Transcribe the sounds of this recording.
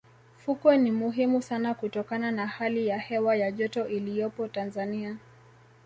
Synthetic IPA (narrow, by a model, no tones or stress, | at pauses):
fukwɛnimuɦimusanakutɔkananahalijahɛwajaʄɔtɔʔilijɔpɔtanzania